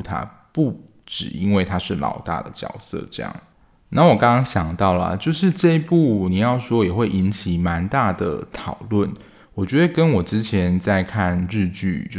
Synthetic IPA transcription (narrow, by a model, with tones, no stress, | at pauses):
t̪ʰa̰˥ | pu˥˩ | ʈ͡ʂɻ̩˨˩i˧˥nwe˥˩ɪt̪ʰa˥ʂɻ̩˥˩lɑ̰˨˩ʊt̪a̰˥˩d̪ə˩t͡ɕjɑ̰˨˩ʊsɤ̰˥˨ʈ͡ʂɤ˥˧jɑ̰˥˩ŋ | na˥˩wɔ˨˩kɑ̃˥ŋkɑ˥ŋɕjɑ˨˩ŋt̪ɑ˥˩ʊlə̰˩t͡ɕjo˥˧ʊʂɻ̩˥˧ʈ͡ʂɤ˥˧i˥pu˥˩ni˨˩jɑ˥˩ʊʂwɔ˥jɛ˨˩xwe˥˩ɪʔi˧˥nt͡ɕʰi˨˩ma˧˦nt̪a˥˩d̪ə̰˩t̪ʰɑ˨˩ʊlwə˥˩n | wɔ˨˩t͡ɕɥɛ˧˥d̪ə˧˨kə˦nwɔ˨˩ʈ͡ʂɻ̩˦t͡ɕʰjɛ˧˦nt͡sa˥˧ɪkʰa˥˧nɻ̩˥˧t͡ɕy̰˥˩˧